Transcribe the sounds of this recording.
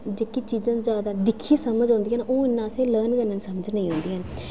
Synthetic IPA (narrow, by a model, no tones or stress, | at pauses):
d͡ʒeːkit͡ʃiːzãːd͡ʒjaːd̪aːd̪ɪkʰeːsəməd͡ʒɦõːnd̪iːɦənoːɪnːãːsẽːləːnkənːənsəməd͡ʒnəĩːɦõːnd̪iːɦən